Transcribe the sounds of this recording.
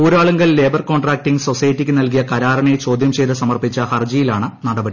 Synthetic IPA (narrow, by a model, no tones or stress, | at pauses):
uːɾaːɭuŋɡɐlleːbɐrko̞ːɳɖraːk̚ʈiŋɡso̞sɐjɐtːikʲːɨnɐlk̬ijɐkɐɾaːɾɐɳet͡ɕo̞ːd̪ʱjɐmt͡ɕe̞jt̪ɨsɐmɐrpit͡ɕːɐhɐrd͡ʑijilaːɳɨnɐɽɐbɐɽi